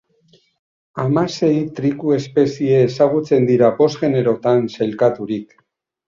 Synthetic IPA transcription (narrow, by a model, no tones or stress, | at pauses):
amase̞jt̪ɾikue̞spe̞sieːsaɣ̞ut͡se̞nd̪iɾapo̞zɣe̞ne̞ɾo̞t̪anselkat̪uɾik